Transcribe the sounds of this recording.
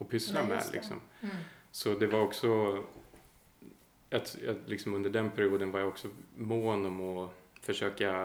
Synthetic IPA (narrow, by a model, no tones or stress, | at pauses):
ɔpʰʏslamɛ̰lʔɪ̰ksɔ̰m | sɔd̪ɛvaɾɔksɔ | jɑjɑlɪksɔmɵnd̪əɖɛnpʰæɾɪuːd̪ənvaɾjaɔksɔmoːnɔmɔfœʂøːka